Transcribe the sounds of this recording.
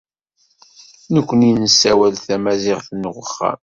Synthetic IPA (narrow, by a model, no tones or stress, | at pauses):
nəkʷːəninəsːæwælθæmæzɪʁθnəʁəχːæ̰m